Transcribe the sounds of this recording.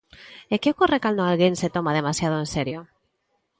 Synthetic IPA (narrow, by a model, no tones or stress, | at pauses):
ekeokorekalnoalɣense̞t̪o̞mað̞e̞masjaðoenseɾjo